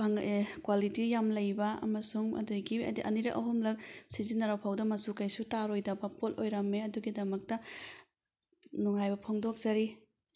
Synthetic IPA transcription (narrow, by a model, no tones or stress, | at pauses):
baŋekwalitijamlɐjbɐɐ̰mɐsuŋɐ̰duɡiɐ̰diʔɐ̰niɾɐ̰kʔɐ̰ɦumlɐk̚sizinɐɾawpʰawdɐmɐsukajsutaɾojdɐbɐpotojɾɐmːeɐduɡidɐmɐk̚tɐ | nuŋɦajbɐpʰoŋdok̚z̥ɐɾi